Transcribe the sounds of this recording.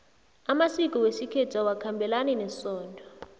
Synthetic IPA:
amasik̬ʼɔwesikʰɛtʰawakʰambʱɛlanɛnɛsɔːndʱɔ

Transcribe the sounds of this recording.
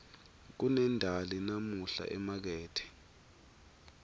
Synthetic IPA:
k̬unɛndʱalinamuɬa̰ʔɛmak̬ɛːtʰɛ̥

